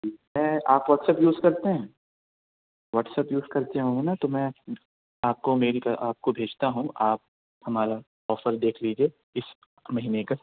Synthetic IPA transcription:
mɛ̃ːaːpʋɔːʈsəpjuːzkɐɾt̪eɦɛ̃ː | ʋɔːʈsəpjuːzkɐɾt̪eɦõːŋɡenat̪omɛ̃ | aːp̚komeːɾikaʔaːp̚kobʱeːd͡ʒt̪aɦũʔaːp̚ | hɐmaːɾa | ɔːfəɾd̪eːkʰliːd͡ʒie | ɪs | mɐɦiːneka

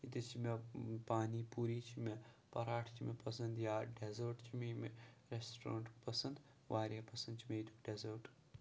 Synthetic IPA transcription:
it̪ɐt͡ʃʰimepaːnipuɾiːt͡ʃʰimepɐɾaːʈʰt͡ʃʰimepɐsɐ̃nd̪jaɖezoɾʈt͡ʃʰimemeɾesʈɾa̰ːɳʈpɐsɐnd̪ | ʋaːɾʲjapɐsɐ̃nd̪t͡ʃʰimeit̪ʰukɖezɐɾʈ

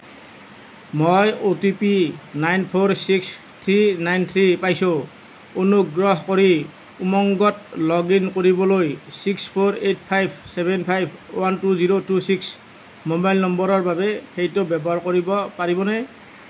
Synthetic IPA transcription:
mojotipinajnpʰoɹsiks | t̪ʰɹinajnt̪ʰɹipajsʊ̃ | unuɡɹɔɦkoɹi | umɔŋɡɔt̚lɔɡinkoɹibɔlojsikspʰoɹet̚pʰajbsɛbɛnpʰajbʱwantuziɹotusiks | mobajlnɔmbɔɹɔɹbabɛxejtʊbɛbɔaɹkoɹibɔpaɹibɔnɛ

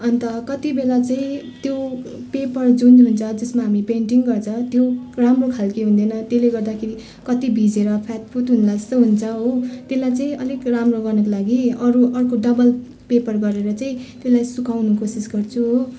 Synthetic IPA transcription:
ʌnt̪ʌkʌt̪ibelat͡saĩ | t̪jopepʌrd͡zunɦunt͡sʰʌd͡zʌsmaɦamipeɳʈiŋɡʌrt͡sʰʌt̪joramrokʰalkeɦũnd̪ʌjnʌt̪eleɡʌrd̪akʰeɾi | kʌt̪ibʱid͡zeɾʌpʰat̪pʰut̪ɦunlaʌst̪ʌɦunt͡sʰʌɦot̪elajt͡saĩʌlikramroɡʌrnʌk̬olaɡiʌɾuʔʌrkoɖʌbʌl | pepʌrɡʌɾeɾʌt͡saĩt̪elajsukawnukosisɡʌrt͡sʰũɦo

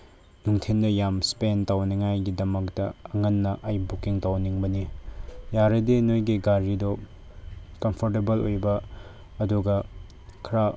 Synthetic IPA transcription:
nuŋtʰendɐjamspentawnɐŋajɡidɐmɐk̚tɐɐŋɐnːɐʔɐjbukiŋtawniŋbɐnijaɾɐdinojɡiɡaɾido | kɐmpʰoɾtebɐlojbɐ | ɐduɡɐ | kʰɐɾa

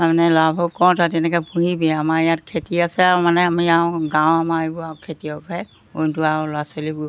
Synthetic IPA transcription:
amnɛlabʱɔkːɔɹtʰatɛnɛkɔpuɦibɛamajat̚kʰetiasɛaɹɔmanɛamiawɡãwamaibɔakʰetiɔkɛ | ontuaɹɔlasolibʊ

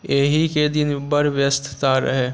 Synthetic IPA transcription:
eɦiked̪ɪnbəɾʋjst̪ʰt̪aɾə̰ɦeː

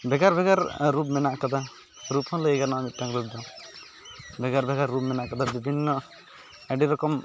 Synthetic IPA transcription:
bʱɛɡaɾbʱɛɡaɾːupmɛnaʔkat̪a | ɾupɔnleeɡaɾnamit̪̚ʈãŋkɾub̚d̪ɔ | bʱɛɡaɾbʱɛɡaɾːupmɛnaʔkɔd̪abibʱinːɔ | ɛɖiɾɔkɔm

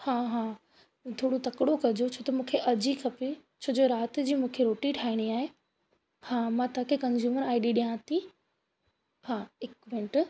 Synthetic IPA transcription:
hãːɦãː | t̪ʰoːɽot̪ɐkɽokɐd͡ʑot͡ɕʰoːt̪ɐmũːkʰeʔɐd͡ʑikʰɐpit͡ɕʰoːd͡ʑoɾaːt̪d͡ʑiːmũːkʰeɾoːʈiʈʰaːiɽ̃iaːɦe | hãːmãːt̪ʰaːkʰekɐ̃nzuːməɾaːɪɖiɗijãːt̪i | hãːɪkʋɪ̃ɳʈ

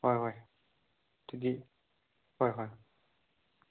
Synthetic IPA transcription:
hɔjɦɔj | t̪ʰid̪i | hɔjɦɔj

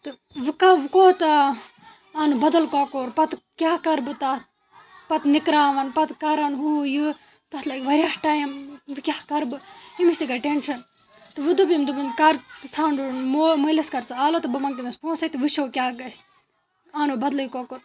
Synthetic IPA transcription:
t̪ɨ | ʋɨkaʋɨkoːt̪ɐ | aːnubɐd̪ɐlkoːkoːɾpɐt̪ | kʲaːkɐɾbɨt̪at̪ | pɐt̪nikɾaːʋɐnpɐt̪kɐɾɐnɦuːjɨ | t̪ɐt̪lɐːkʋɐɾʲahʈaːjɐmʋɨkʲaːkɐɾbɨimisʲt̪ikɐɾʈenʃɐn | t̪ɨʋɨd̪ubimd̪ubɨnkɐɾt͡ssʰaːɳɖunmomoːlɐskɐɾt͡saːloːt̪ɨbɐmɐŋk̪inɐspʰõːnsɐit̪ɨʋɨʃoːkʲjaːɡɐs | aːnubɐd̪lɐjikoːkoːt

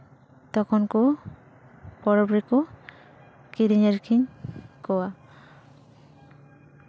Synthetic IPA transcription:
t̪ɔkʰɔnku | pɔɾɔbɾiku | kiɾiɲeɾkʰiŋkɔwa

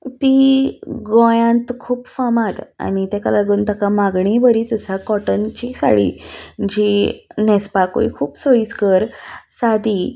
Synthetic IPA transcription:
t̪i | ɡõjãnt̪kʰuːpfamãt̪a̰nit̪ɛkalaɡuːnt̪akamaɡɳibəɾiːt͡səsakɔʈənt͡ɕisa̰ɽḭd͡ʑinɛspako̰ḭkʰuːpsojiskəɾsad̪i

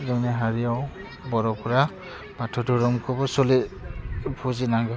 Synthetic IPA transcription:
zɔnɛɦaɹijaw | bɔɹɔpʰɔɹa | batʰɔdɔɹɔmkʰɔbɔsɔli | pʰuzinaŋɡɔ

